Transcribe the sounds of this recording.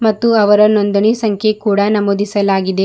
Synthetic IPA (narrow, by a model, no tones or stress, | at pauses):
mɐt̪ːuɐʋɐɾɐnond̪ɐɳisɐŋkʰjekuːɽɐnɐmoːd̪ʱisɐlaːɡid̪e̞